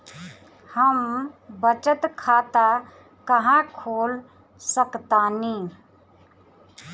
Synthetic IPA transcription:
həmbət͡ʃət̪kʰat̪a | kəɦãkʰoːl | səkt̪ani

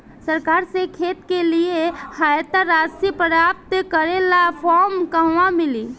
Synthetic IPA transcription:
səɾkaɾsekʰet̪keliehajt̪aɾasipəɾap̚t̪kəɾelapʰɔɾmkəɦʋamili

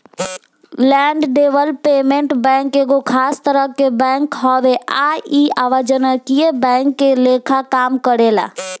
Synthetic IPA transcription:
lɛːɳɖɖeːʋəlpeːmẽɳʈbɛ̃ːŋkeɡokʰaːst̪əɾəkːebɛ̃ːŋkɦɔːʋeaːiːaːʋəd͡ʒənakiebɛ̃ːŋkːeleːkʰakaːmkəɾeːla̰ː

